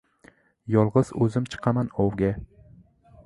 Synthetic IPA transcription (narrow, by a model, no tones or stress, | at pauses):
jɒlˠʁɨz̥ɵzɪmt͡ʃʰɨ̥qʰɑmanɒwɡʲa